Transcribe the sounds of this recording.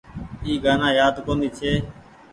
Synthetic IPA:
iːɡaːnãːjaːd̪koːnd̪iːt͡ʃʰeː

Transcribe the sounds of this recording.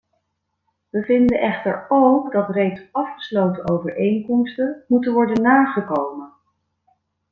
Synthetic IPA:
ʋəvɪndəʔɛχtəɹowkdɑtrejksɑfχə̥slowtəowvəɹʔejŋkɔmstənmutənʋɔɹdənːaːχəkowmən

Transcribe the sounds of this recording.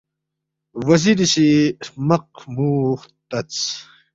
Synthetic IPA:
wɐziɾiɕimɐq̚muːχt̪ɐt͡s

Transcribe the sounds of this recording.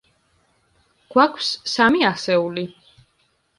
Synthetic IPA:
ɡ̥wakʰwsːamiasɛuli

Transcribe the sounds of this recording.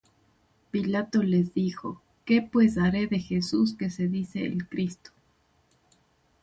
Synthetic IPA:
pilat̪o̞le̞zðixo̞̰ | ke̞pwe̞s̬aɾe̞ðe̞xesus̬ke̞se̞ðiseḛlkɾist̪o̥

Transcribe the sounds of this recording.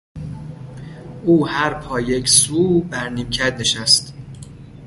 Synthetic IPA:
ʔuːhæɾpʰɒːjecʰsuːbæɾniːmcʰæd̪̚ne̞ʃæst̪

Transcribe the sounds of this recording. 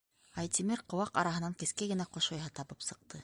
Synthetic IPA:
ɑjt̪ʲimɘɾqŏwɑqɑ̰ɾɑɦɤ̆nɑŋkɘ̆skæɡɘ̆næqoʃojɦɑt̪ɑβɤpsɤ̆q̚t̪ɤ

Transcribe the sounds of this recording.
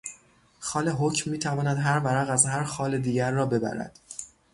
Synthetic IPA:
xɒːle̞ɦocʰmːiːt̪ʰævɒːnæd̪ɦæɾvæɾæɣæzhæɾxɒːle̞d̪iːɟæɾːɒːbe̞bæ̰ɾæ̰d̪̥

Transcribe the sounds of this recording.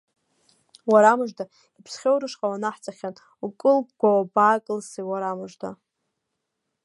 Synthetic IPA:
waɾamɨʐda | ipʰsχʲowɾɨʂqʼawanaħt͡sʼaχʲan | ukʼɨlb̚ɡʷawabaːkʼɨlsijwaɾamɨʐda̰

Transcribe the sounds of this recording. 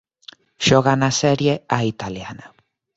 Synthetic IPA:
ʃoɣanaseɾjeait̪aliana

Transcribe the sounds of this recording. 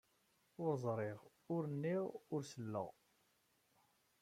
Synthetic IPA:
ʊɾzˤɾˤɪʁ | ʊɾənːiʁʊɾsəlːə̰ʁ

